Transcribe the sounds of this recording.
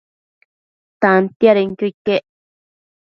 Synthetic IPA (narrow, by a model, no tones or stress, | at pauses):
t̪ant̪jaɾeŋkikeʔ